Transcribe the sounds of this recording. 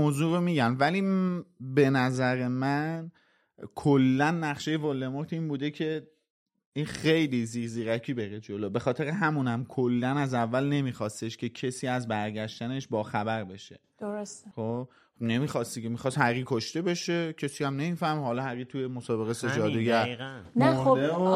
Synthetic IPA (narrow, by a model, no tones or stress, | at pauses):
moːzuːɾomiːɟænvæliːbe̞næzæɾe̞mæn | kʰolːænːæχʃe̞je̞volːe̞moɾt̪ʰiːnbuːd̪e̞cʰe̞ | iːnxe̞jliziːɾziːɾæcʰiːbe̞ɾed͡ʒolobexɒːt̪ʰe̞ɾeɦæmunæmkʰolːænæzævːælne̞miːxɒːst̪e̞ʃcʰe̞cʰe̞siːæzbæɾɟæʃt̪æne̞ʃbɒːxæbæɾbe̞ʃe̞ | d̪oɾosxob | ne̞miːxɒːst̪icʰemixɒːshæʁiːkʰoʃt̪e̞be̞ʃe̞cʰe̞siæmne̞miːfæhmihɒːlɒːhæʁiːt̪ʰuje̞mosɒːbe̞ɣese̞d͡ʒɒːd̪eɡæɾænoo